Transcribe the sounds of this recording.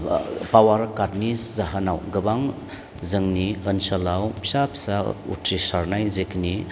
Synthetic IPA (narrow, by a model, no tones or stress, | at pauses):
pawaɾkatniszaɦənawɡɯbaŋ | zɯŋniənsalawpʰi̥sapʰi̥saṵtʰɾisaɾnajzekni